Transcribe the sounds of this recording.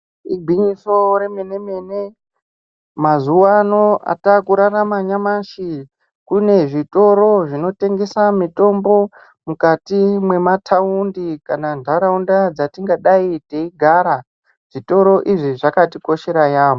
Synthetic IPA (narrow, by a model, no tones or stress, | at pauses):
iɡʱiɲiso̞ɾe̞mene̞mene̞ | mazuwano̞a̰takuɾaramaɲamaʃi | kune̞ʐito̞ɾo̞ʐino̞te̞ŋɡe̞samito̞mbo̞ | mukatimwe̞matʰaundikanandʱaɾaundad͡zatiŋɡaɗaiteiɡʱaɾa | ʐ̥ito̞ɾo̞ʔiʐiʐakatiko̞ʃe̞ɾajaːmo